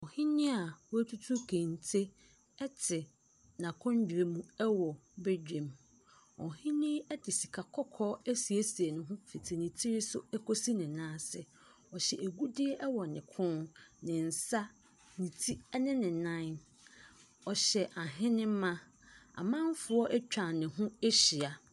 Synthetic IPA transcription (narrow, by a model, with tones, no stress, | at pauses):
ɔ˨hɪ̃˦nɪ̃˦a˨wæ˦tʰu˦tʰu˦kʰẽ˨n˨tʰe˦ | ɛ˦tʰɪ˨ | nã˨kʰɔ̃˦ɲ˦d͡ʑᶣɾe˨mũ˦ɛ˦wɔ˨be˦d͡ʑᶣẽ˨m | ɔ̰˨ɦɪ̃˦nɪ̃˦ɛ˦dɪ˨si̥˨kʰa˨kʰɔ˦kʰɔː˦æ˦si˨e˦si˨e˨nʊ̃˨ɦʊ̃˦fi˨tʰe˨nĩ˨tʰi˦ɾɪ˦sʊ̰˦ɛ˦kʰo˦si˦nɪ̃˨nãː˦sɪ̰˨ | ɔ˨ɕɛ˨e˨ɡu˦dɪ˦ɛ˦ʔɛ˦wɔ˨nɪ̃˨kʰʊ̃˦nnɪ̃˨n̩˨sa˦ | nĩ˨tʰi˦nɪ̃˦nɪ̃˨nã˦n˦ | ɔ˨ɕɛ˨ʔa˨ɦɪ̃˦nɪ̃˦m̩˦mã˦ | a̰˨mã˦m˦fʊ˨ɔ˦ʔɛ˦t͡ɕᶣã˨nɪ̃˨ɦʊ̃˦e˦ɕi˨a˨